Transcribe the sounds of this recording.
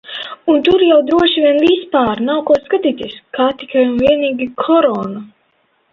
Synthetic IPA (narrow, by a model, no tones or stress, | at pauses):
unt̪uɾjawd̪ɾuɔʃivʲiɛnvispaːɾnawkuɔskat̪iːt̪ʲiskaːt̪ikajumviɛniːɡʲikʰɔɾɔːnu